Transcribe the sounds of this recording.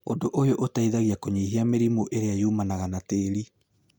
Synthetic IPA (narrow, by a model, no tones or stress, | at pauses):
odoʔojoʔotaiðaɣiakoɲeːɦiameɾimoʔeɾeajuːmanaɣanateːɾi